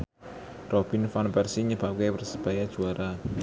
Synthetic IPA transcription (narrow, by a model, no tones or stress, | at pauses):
rɔb̥i̤nfanpɛrsiɲəb̥akepərsəb̥ajad̥ʒ̥uaɾʔa